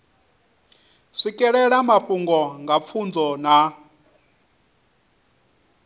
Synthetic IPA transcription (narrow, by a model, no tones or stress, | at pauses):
ʂikʼɛɺɛɺamapʼuŋɡɔŋɡap̪fʰund͡zɔna